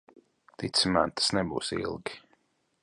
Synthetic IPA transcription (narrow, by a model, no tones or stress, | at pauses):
t̪it̪səma̰nt̪ə̥snɛbṵːsḭlˠɡi